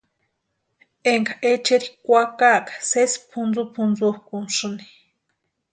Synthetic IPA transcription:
eŋkaʔet͡ʃeɾikʷakakḁsespʰund͡zupʰunzuhkunʃuni̥

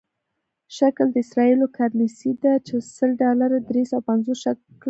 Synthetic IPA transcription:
ʃakld̪əɪsɾɑilokʰaɾnisid̪at͡ʃesəlɖɑlaɾad̪ɾesawapanzosʃak | l

